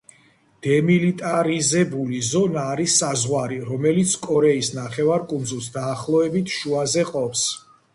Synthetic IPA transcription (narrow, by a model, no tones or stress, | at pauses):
d̪̥ɛmilit̪ʼaɾizɛbulizɔnaːɾisːazʁwaɾiɾɔmɛlit̪sʰkʼɔɾɛisnaχɛvaɾkʼund̪zulˠsd̪aːχlˠɔɛbit̪ʰʃuazɛqʼɔps